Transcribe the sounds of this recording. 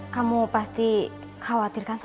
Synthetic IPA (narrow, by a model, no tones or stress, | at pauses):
kamupast̪i | kawat̪i̤rkans